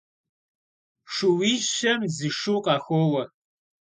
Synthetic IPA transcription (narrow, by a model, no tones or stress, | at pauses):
ʂuwiːʒʃɐmzɨʂuːqʼɑːxʷoːwɐ